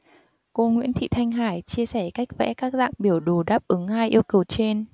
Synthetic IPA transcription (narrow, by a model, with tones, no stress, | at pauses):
ko˧ŋwḭ˧˥ənt̪ʰḭ˧˨t̪ʰa˧jŋ̟ɦaː˧˩jt͡ɕi˧əsɛ˧˩ka˦˥jk̚vɛ̰˧˥kaː˦˥k̚za̰ː˧˨ŋɓi˧˩əwɗo˨˩ɗaː˦˥p̚ʔɨ˨˦ŋhaː˧jʔi˧əwkə˨˩wt͡ɕe˧n